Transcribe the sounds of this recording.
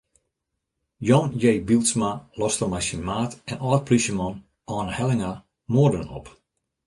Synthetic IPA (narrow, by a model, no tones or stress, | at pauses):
jɔnjejbilˠsmalɔstəmajsinmaːtɛnɔːt̚pʰliʃəmɔn | ʔɔːnəhɛlˠɪŋa | moərdənɔ̰p